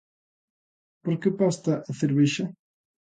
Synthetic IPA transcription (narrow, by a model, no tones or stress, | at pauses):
poɾkepast̪ɐʔɐθeɾβiʃɐ